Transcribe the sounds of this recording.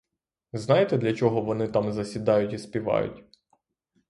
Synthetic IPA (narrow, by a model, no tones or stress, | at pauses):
znɑjet̪ɛd̪lʲɐt͡ʃɔɦɔʋɔnɪt̪ɑmzɐsʲid̪ɑjʊtʲispʲiʋɑ̰jʊ̰tʲ